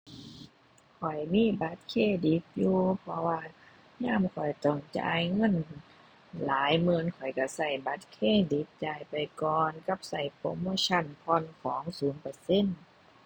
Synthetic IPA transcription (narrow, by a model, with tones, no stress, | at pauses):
kʰɔ˨˩jmiː˧˥˨ba˧˦t̪̚kʰeː˧˥˨di˨˦p̚juː˧pʰɔ˧waː˧ | ɲaː˧˥˨mkʰɔ˨˩jt̪ɔ˧˩ŋt͡ɕa̰ː˧jŋɤ˧˥˨n | laː˨˦jmɯː˧˨nkʰɔ˨˩jka˧˩sa˧˩jba˧˦t̪̚kʰeː˧˥˨di˨˦p̚t͡ɕaː˧˩jpa˨jkɔː˧nka˧˥˩p̚sa˧˩jpo˧˦mo˧˥˨t͡ɕʰa˧˥˨npʰɔ˧˥˨nkʰɔː˨˦ŋsuː˨˦npa˧se˧˥˨n